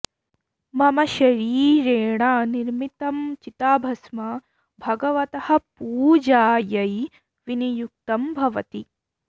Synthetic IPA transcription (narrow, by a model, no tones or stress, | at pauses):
mɐmɐʃɐɾiːɾeːɳaːniɾmit̪ɐmt͡ʃit̪aːbʱɐsmɐ | bʱɐɡɐʋɐt̪ɐhɐ̆puːd͡ʒaːjɐj | ʋinijuk̚t̪ɐmbʱɐʋɐt̪i